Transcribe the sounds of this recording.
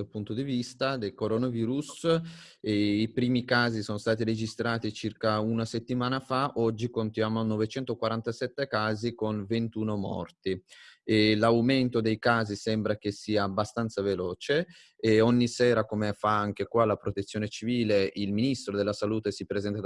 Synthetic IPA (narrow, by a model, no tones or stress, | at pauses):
apunt̪od̪ivist̪ad̪elkoɾonaviːɾus | ipɾiːmikaːzisonost̪aːt̪̬iɾed͡ʒist̪ɾaːt̪it͡ʃirkaunaset̪ːimaːnafaʔɔd͡ʒːikont̪jaːmonovet͡ʃɛnt̪okwaɾant̪asɛt̪ːekaːzikonvent̪uːnomɔ̰rt̪i | lawment̪od̪ejkaːzisɛmbɾakesiːaːbːast̪ant̪savelɔːt͡ʃe | ɔɲːisɛːɾakomefaaŋk̟ekwalapɾot̪et̪sːjoːnet͡ʃiviːleʔilminist̪ɾod̪elːasaluːt̪esipɾezɛnt̪a